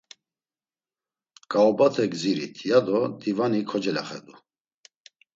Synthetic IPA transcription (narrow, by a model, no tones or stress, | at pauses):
kʼaɔbat̪ʰɛɡziɾḭt̪ʰjad̪ɔd̪ivanikʰɔd͡ʒɛla̰χɛ̰d̪u